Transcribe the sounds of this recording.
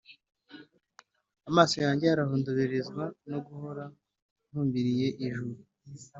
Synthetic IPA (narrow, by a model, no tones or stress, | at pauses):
amaːsojaːɲɟe̞aɾahuːnduβiɾizɡwanoɡuho̞ɾa | n̥huːmbiɾije̞ʔiʒuɾu